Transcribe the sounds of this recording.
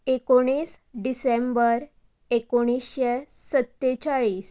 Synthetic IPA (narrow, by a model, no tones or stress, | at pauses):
ekoɽ̃iːs | ɖisembəɾ | ekoɽ̃isɕe | sət̪ːet͡ɕaɭiːs